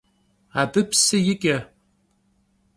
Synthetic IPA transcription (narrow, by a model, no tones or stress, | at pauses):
adɨpʰsɨjɪkʲʼa